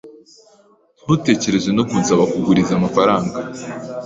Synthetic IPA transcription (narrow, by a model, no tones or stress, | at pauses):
n̥hute̞ːce̞ɾe̞zwenokunsaβakuɡuɾizamafaɾaːŋɡa